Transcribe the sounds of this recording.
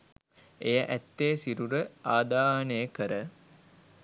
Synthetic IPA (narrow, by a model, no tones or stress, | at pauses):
ejəʔæt̪ːeːsiɾuɾəaːd̪aːnəjəkəɾə